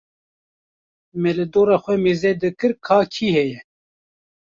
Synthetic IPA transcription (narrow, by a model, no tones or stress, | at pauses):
mɛlɨd̪oːɾɑːxʷwɛmeːzɛd̪ɨkɨɾkʰɑːkʰiːhɛjɛ